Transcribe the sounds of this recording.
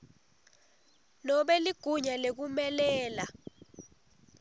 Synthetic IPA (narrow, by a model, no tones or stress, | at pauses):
nɔɓɛliɡ̥ʱuɲalek̬umɛlɛːla